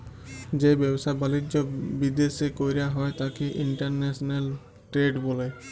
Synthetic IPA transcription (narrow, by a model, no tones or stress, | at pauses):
d͡ʒebɛbsabalid͡ʒɔbid̪esekojɾejaɦɔet̪akiʔiɳʈəɾnesnel | ʈɾeɖbole